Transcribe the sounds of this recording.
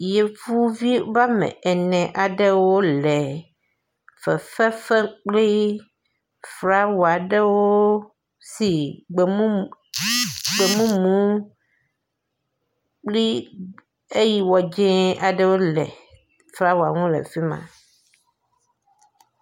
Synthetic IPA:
je˨fu˦vi˦va˦mɛ̰̃˨ʔɛ˨nɛ̃˨ʔa˨ɖɛ˦wo˦lɛ˨ | fɛ˨fɛ˦fɛ˦k͡pli˦ | fɾa˦wɔ˨a˨ɖɛ˦wo˦ | si˨ɡ͡be˨mũ˦ | ɡ͡be˨mũ˦mũ˨˦ | k͡pli˦ | e˦ji˨wɔ˨d͡ʒɛ̃˦ʔa˨ɖɛ˦wo˦lɛ̰˨ | fɾa˦wɔ˨a̰˨ŋũ˦lɛ̰˨fi˦mã̰˨

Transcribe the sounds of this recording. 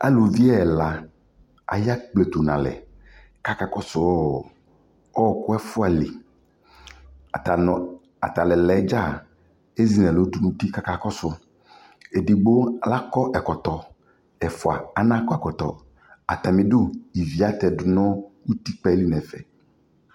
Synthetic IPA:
a̰˦lo˨vi˦ɛ˦˨la˨ | a̰˨ja˦k͡ple˨t̪o˨nã˨lɛ̰˨ | ka˦ka˦kɔ˦sʊ˨ɔ˦˨ | ɔ˦˨kʊ˦ɛ˦fʊ˦a˨li˨ | a˨t̪a˨lɛ˨lɛ˨˦d͡ʒa˦˨ | e˦zi˨nɛ̃˨lo˨˦du˨nũ˨t̪i˦ka˦ka˨kɔ˦sʊ˨ | e˨di˨ɡ͡bo˦˨la˦kɔ˦ʔɛ˨kɔ˨t̪ɔ˨ | ɛ˨fʊ˨a̰˨a˨nã˦kɔ˦ɛ˨kɔ˨t̪ɔ̰˨ | a˨t̪a˨mĩ˨dʊ˦i˨vi˨a˦t̪ɛ˨dʊ˨nɔ̃˦wu˦t̪i˦k͡pɛ˨˦li˦nɛ̃˨fɛ̰˨

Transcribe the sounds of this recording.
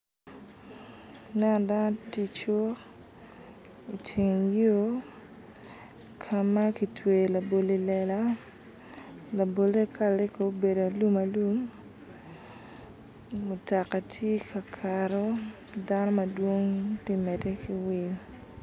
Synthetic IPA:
nɛ˦n˨da˦no˦ti˦t͡ʃo˦ | i˨t͡ʃi˨ŋjo˦ | kʰa˨ma˦ki˨twe˨la˨bo˨le˦lɛ˨la˦ | la˨bo˨le˦kʰa˦ɾɪ˦ko˨˦be˨do˨a˨lu˦ma˨lu˦m | o˨ta˨kːa˨tʰje˦kʰa˨kʰaɾo˦ | da˦no˦mɐ˨dwo˦ŋtɪ˦mɛ˨te˦ki˨wɪ˦ɲ

